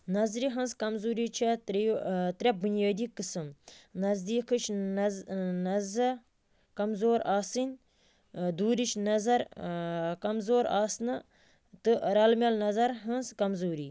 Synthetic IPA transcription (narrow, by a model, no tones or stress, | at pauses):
nɐzɾiɦɐnzkɐmzuːɾiːt͡ʃʰɐt̪ɾt̪ɾʲɐp̚bunjaːd̪iːkɨsɨmnɐzd̪iːkʰɨt͡ʃʰ | nɐzɐ | kɐmzoːɾaːsɨnʲ | d̪uːɾit͡ʃnɐzɐɾ | kɐmzoːɾaːsnɨ | t̪ɨɾɐlmʲjɐlnɐzɐɾɦɐnzkɐmzuːɾḭː